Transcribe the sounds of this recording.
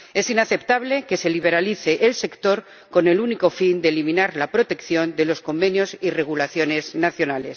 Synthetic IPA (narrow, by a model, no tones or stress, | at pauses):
e̞sinaθe̞pt̪aβ̞le̞ke̞se̞liβe̞ɾaliθe̞ʔːlse̞kt̪o̞ɾ | ko̞ne̞luniko̞find̪elimĩnaɾlapɾo̞t̪e̞kθjo̞nd̪e̞lo̞sko̞mbe̞njo̞sire̞ɣ̞ulaθjo̞ne̞znaθjo̞nales